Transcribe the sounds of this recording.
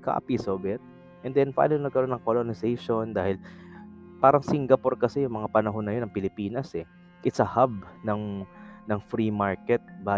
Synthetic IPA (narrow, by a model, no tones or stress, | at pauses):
kʰa̰ːpisoːbɛt̪̚ | ʔɛnd̪ɛnpɐʔaːnojnɐɡ̚kɐɾo̞nːɐŋkolonɪsɛjʃo̞nd̪aːhɪl | paːɾɐŋsɪŋɡɐpo̞ɾkɐsɛjʊŋmɐŋapɐnɐɦo̞nːɐjonːɐŋpɪlɪpiːnɐsɛ | ʔɪsɐhab̚nɐŋnɐŋfɾimaɹkɛt̪̚ba